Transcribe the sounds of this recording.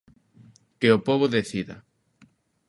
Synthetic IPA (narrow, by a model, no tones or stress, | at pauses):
keopoβoðeθiða̰